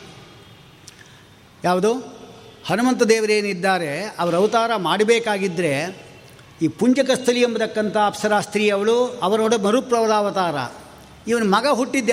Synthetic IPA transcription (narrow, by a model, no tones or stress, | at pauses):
jaːʋud̪oːhɐnumɐnt̪ɐd̪eːʋɐɾeːnid̪ːaːɾe̞ɐʋɐɾɐʋt̪aːɾɐmaːɽibeːkaːɡid̪ːɾe̞ | iːpuɲd͡ʒɐkɐst̪ʰɐlijembɐd̪ɐkːɐnt̪ʰɐːpsɐɾaːst̪ɾiːɐʋɐɭuɐʋɐɾɐoːɽumɐɾupɾɐʋɐd̪aːʋɐt̪aːɾɐ̰ | iʋɐnumɐɡɐɦuʈːid̪